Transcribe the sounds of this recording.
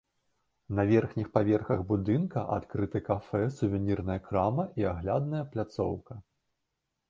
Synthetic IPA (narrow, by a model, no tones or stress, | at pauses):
nɐvʲɛrxnʲixpavʲɛrxɐɣbud̪ɨnkɐʔat̪kɾɨt̪ɨkafɛsuvʲɛnʲirnɐjɐkɾamɐʔiaɣlʲad̪̚nɐjɐplʲat̪sɔ̰wkɐ